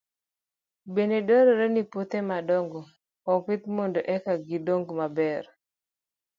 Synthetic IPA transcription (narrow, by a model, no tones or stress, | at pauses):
benedoɾɔɾenipot̪emadɔŋɡɔː | pɪt̪̚mondoʔɛkaɡidoŋɡmabɛr